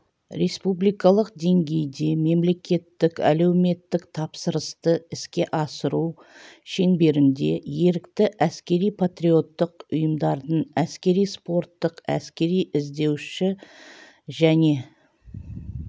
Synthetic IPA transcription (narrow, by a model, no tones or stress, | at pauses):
ɾe̞spublijkɑlˠəq̚d̪e̞ŋɡʲe̞jd̪e̞me̞mle̞kʲe̞t̪ːɪkæ̰le̞wɪme̞t̪ːɪkt̪ʰɑpsəɾəst̪əɪskʲe̞ʔɑsəɾu | ʃe̞ŋbe̞ɾɪnd̪e̞̰je̞ɾɪkt̪ɪʔæskʲe̞ɾijpʰat̪ɾio̞t̪ːəqʊjəmd̪ɑɾd̪ənæskʲe̞ɾijspo̞ɾt̪ːəqæ̰skʲe̞ɾijɪzd̪e̞wʃɪ | ʒæne̞